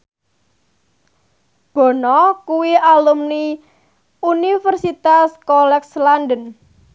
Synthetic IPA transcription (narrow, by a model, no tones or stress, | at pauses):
b̥ɔ̤nɔkuwiʔalumni | unifərsit̪askɔlɛkslandən